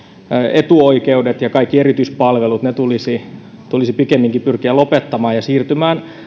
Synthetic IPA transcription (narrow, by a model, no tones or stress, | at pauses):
et̪uoikeudet̪jɑkɑikːierit̪yispɑlʋelut̪net̪ulisi | t̪ulisipikemːiŋkipyrkiælopet̪ːɑmɑːjɑsiːrt̪ymæːn